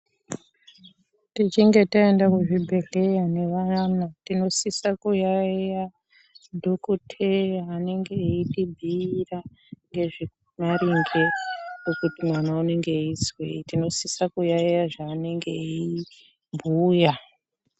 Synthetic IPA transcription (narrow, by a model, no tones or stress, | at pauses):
tit͡ʃiŋɡe̞taendakuʐibʱe̞ɮe̞jane̞ʋanatino̞sisakujaeja | dʱokutʰejaːne̞ŋɡe̞itibʱiːra | ŋɡe̞ʐi | maɾiŋɡe̞kokutimwanaune̞ŋɡe̞iswḛitino̞sisakujaijaʐaːne̞ŋɡei | mbʱuːja